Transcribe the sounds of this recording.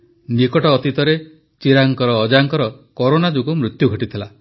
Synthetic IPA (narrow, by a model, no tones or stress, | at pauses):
nikɔʈɔːt̪it̪ɔɾe | t͡ʃiɾaŋkɔɾɔːd͡ʒaŋkɔɾɔkɔɾonad͡ʒukumɾut̪juɡʱɔʈit̪ʰila